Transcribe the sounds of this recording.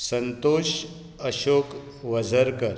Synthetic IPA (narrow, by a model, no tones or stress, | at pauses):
sənt̪oɕ | əɕok | ʋəd͡zʱəɾkəɾ